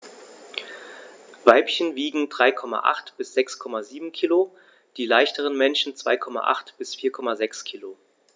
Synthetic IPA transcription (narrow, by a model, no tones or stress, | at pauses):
vaɪpçənviːɡŋ̩dʁaɪkʰɔma̰ʔa̰χtb̥ɪsz̥ɛkskʰɔmaziːbm̩kʰiːlo | d̥iːlaɪçtəʁ̞ənmɛnʃn̩t͡sv̥a̰ɪkʰɔma̰ʔa̰χtb̥ɪsfiːɐkʰɔmazɛkskʰiːlo